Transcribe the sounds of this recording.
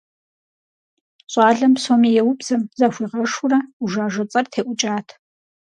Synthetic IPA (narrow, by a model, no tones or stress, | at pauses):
ɕʼɑːɮɐmsoːmijɛwʊbz̥ɐmzɐxʷiːʁɐʂʊrɐuʒaːʒʷɐt͡sʼɐrtʰeːʔʷʊt͡ʃʼaːtʰ